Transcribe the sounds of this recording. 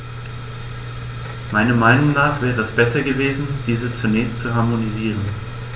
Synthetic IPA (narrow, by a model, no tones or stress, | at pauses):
maɪnɐmaɪnʊŋnaːχv̥ɛːʁəɛsb̥ɛsɐɡəveːzn̩d̥iːzət͡sunɛːçstt͡suɦaɐmoniziːʁən